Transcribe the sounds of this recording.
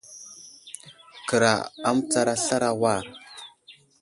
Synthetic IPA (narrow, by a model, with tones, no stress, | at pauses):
kə˨ɾa̰˨a˦m˦t͡sa˦ɾa˦ɬa˦ɾa˦wa˦˨ɾ